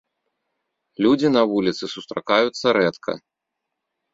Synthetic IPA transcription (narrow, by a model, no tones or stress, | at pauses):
lʲud͡zʲinɐvulʲit̪sɨsust̪ɾa̰kajut̪sːɐɾɛt̪kʰɐ̰